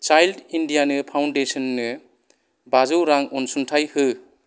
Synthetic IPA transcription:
t͡ʃajldindijanɯpʰawndesɔnːɯ | bazɯwɾaŋɔnsuntʰajhɯ

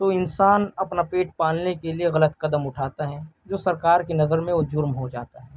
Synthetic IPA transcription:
t̪oːɪnsaːnɐpnapeːʈpaːlnekelieɣɐlət̪kɐd̪əmʊʈʰaːt̪aɦɛd͡ʒoːsɐɾkaːɾkinɐzəɾmẽod͡ʒʊɾmɦod͡ʒa̰ːt̪aɦɛː

